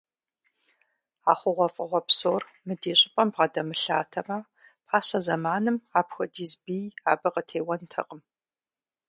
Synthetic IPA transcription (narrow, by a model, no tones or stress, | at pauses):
aːχʷʊʁʷɔfʼɨʁʷɔpsoːr | mɨdeːɕʼɪpʼɐmbʁɐdɐmɨɬaːtʰɐmɐ | pʰaːsɐzɐmaːnɨmaːpxʷɐdiːzbiːja̰ːbɐqətʰeːwɐntʰɐ̰qʼəm